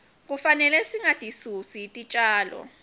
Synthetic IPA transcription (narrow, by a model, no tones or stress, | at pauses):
k̬ufanɛlɛsiŋatʼisusiːtʼit͡ʃʼaːlɔ̰